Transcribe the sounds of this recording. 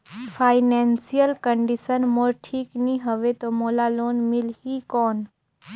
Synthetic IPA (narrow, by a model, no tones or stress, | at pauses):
fʰaːɪneːnsijəlkəɳɖisənmoɾʈʰiːknĩɦəʋet̪omoːlaloːnmɪlhikɔːn